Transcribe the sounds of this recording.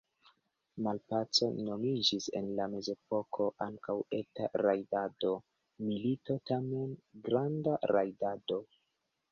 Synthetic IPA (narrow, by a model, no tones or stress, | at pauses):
malpat͡so̞no̞mid͡ʒise̞̰nlame̞ze̞po̞kʰo̞ʔaŋkawe̞ta̰ɾajdado̞ | milito̞tame̞nɡɾandaɾajdado̞